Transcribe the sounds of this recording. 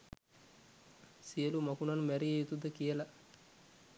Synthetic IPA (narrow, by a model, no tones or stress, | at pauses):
sijəlumakunanmæɾijejut̪ud̪əkijəla